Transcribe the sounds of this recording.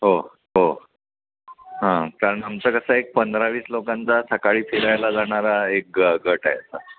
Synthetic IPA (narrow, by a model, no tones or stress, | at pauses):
ɦo | ɦo | ɦãkaɾəɳamt͡səkəsaek̚pənd̪ɾaʋiːslokãnt͡sasəkaɭiːfʰiɾajlad͡zaɽ̃aɾaek̚ɡəʈajasa